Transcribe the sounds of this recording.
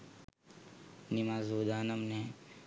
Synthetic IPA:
nimaːzuːd̪aːnɐmne

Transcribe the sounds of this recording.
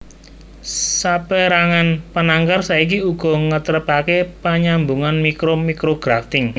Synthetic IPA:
sapeɾaŋanpənaŋkarsaik̬iuɡ̥ɔ̤ŋət̪əɾəpakepaɲambuŋanmikɾomikɾoɡ̥ɾaft̪ɪŋ

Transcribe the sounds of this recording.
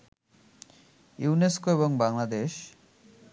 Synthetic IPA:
juuneskoeβoŋbaŋlad̪eʃ

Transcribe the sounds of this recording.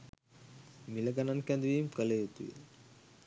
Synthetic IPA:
milɐɡɐnɐnkɛnd̪uʋiːmkəlejut̪ṵʋḭ

